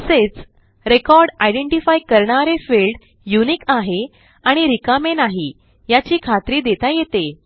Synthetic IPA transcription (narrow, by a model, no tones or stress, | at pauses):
əset͡s | ɾekɔɾɖajɖeɳʈifajkəɾɳaɾefelɖ | junikaɦe | aɽ̃iɾikamenaɦi | jat͡ɕiːkʰat̪ɾiːd̪et̪ajet̪e